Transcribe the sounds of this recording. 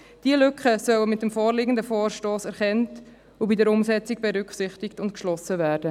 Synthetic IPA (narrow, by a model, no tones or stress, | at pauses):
d̥iəlʏkχəsœwəmɪt̚ːəmfoːrliːɡən̩dəfoːɾʃtoːsɛɾχɛnt | ʊbidəɾʊmsɛt͡sɪɡ̚b̥ɛɾʏkχsɪχtɪktʊntkʃlɔsəvæːɾd̥ə